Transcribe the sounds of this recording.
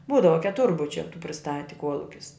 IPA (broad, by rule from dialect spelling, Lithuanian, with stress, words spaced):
ˈbuːdɐʋɐ kʲɛˈtʊrbʊt͡ʃʲɛ tuː pʲrʲɪˈstɑːtʲɪ ˈkuɔlˠʊkʲɪs